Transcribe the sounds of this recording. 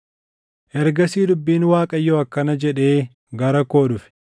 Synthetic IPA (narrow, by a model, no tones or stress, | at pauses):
ʔɛɾɡɐsiːd̪ʊbːiːnwaːkʼɐjːɔɐkːɐnɐd͡ʒɛᶑe̞ː | ɡɐɾɐko̞ːᶑʊfɪ̥